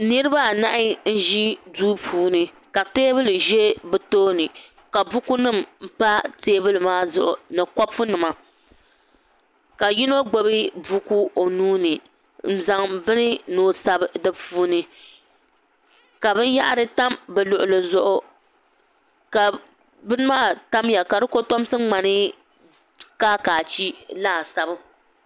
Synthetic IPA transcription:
nɨ˦ɾɨ˦ba˦˨na˦ʔɪ˦n̩˦ʒi˦duː˦puː˦nɨ˦ | ka˨teː˦bɨ˦lɨ˨ʒɛ˦bɨ˨toː˦nɨ˨ | ka˨bu˦ku˦nɨ˦˨mm̩˨pa˦teː˦bɨ˦lɨ˨maː˦zʊ˨ʔʊ˨nɨ˨kɔ˦fʊ˦nɨ˨ma˨ | ka˨ji˦no˦ɡ͡bo˦bi˦bu˦ku˦o˨nuː˦nɨ˨ | n̩˨za˨ŋbɨ˦nɨ˦no˨sa˦bdɨ˦puː˦nɨ˨ | ka˨bɨ˦n˦ja˦ʔa˦ɾɨ˦ta˦mbɛ˨lʊ˨ʔʊ˨lɨ˨zʊ˦ʔʊ˦ | ka˨ | bɨ˦nɨ˦maː˦ta˦mja˨ka˨dɨ˦ko˦to˦m˦sɨ˦ŋ͡ma˨nɨ˦ | kaː˦kaː˨t͡ʃi˦laː˦˨sa˦bɨ˦

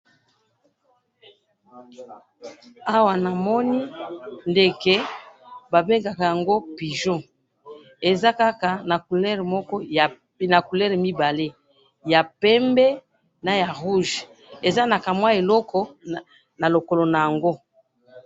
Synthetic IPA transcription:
a˦wa˨na˨mɔ˦ni˦nde˦kɛ˦ba˨be˦ŋɡa˨ka˨ja˨ŋɡo˦pi˨ʒɔ̃˦ | e˨za˦ka˦ka˨na˨ku˨lɛ˦ʁmɔ˦kɔ˦˨ | na˨ku˨lɛ˦ʁmi˦ba˨le˦ | ja˨pɛ˦mbɛ˦ | na˨ja˨ʁu˦ʒ | e˨za˦na˨ka˨mwa˦e˨lɔ˦kʰɔ˨ | na˨lo˨ko˨lo˨na˨ja˨ŋɡo˦

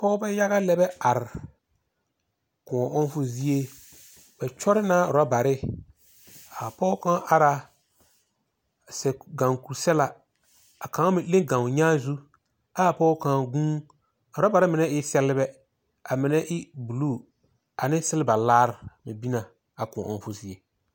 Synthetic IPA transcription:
pɔː˦bɛ˦ja˦ɣa˦lɛ˦bɛ˦a˨ɾɪ˨ | kʊ̃˨ɔ˨ʔʊ˦n˦fʊ˦zi˦e˦ | bɛ˨t͡ʃɔ˦ɾɪ˦naː˦ʊ˨ɾa˦ba˨ɾɪ˦ | a˨pɔː˦kã˦ʔa˨ɾa˨ | sɛ˨ɡã˨ŋku˨ɾsɛ˦la˨ | a˨kã˨˦mɪ˨le˦ŋɡã˨ɲaː˦zu˦ | a˦˨pɔː˦kã˨ɡũː˦˨ | ʊ˨ɾa˦ba˨ɾɪ˦mɪ˨nɛ˦ʔɪ˦sɛ˦lɪ˦bɛ˦ | a˨mɪ˨nɛ˦ʔɪ˦bu˨luː˦˨ | a˨nɪ˦sɪ˦lɪ˦ba˨laː˦ɾmɪ˨bi˦na˨ | a˨kʊ̰̃˨ʔʊ̰˦n˦fʊ˦zi˦e˨

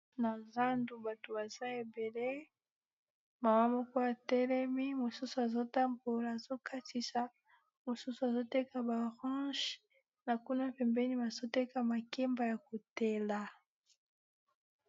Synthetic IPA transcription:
na˨za˦ndu˨ba˨to˨ba˨za˦e˨be˨le˦ | ma˨ma˦mo˦ko˦a˨tɛ˦lɛ˦mi˦mo˨su˦su˨a˨zo˦ta˦mbo˨la˨zo˦ka˦ti˨sa˨ | mo˨su˦su˨a˨zo˦tɛ˦ka˨ba˨ʁɔ̃˦ʃ | na˨ku˦na˦pɛ˨mbɛ˦ni˦ba˨zo˦tɛ˦ka˨ma˨kɛ˦mba˦ja˨ko˨tɛ˦la˨

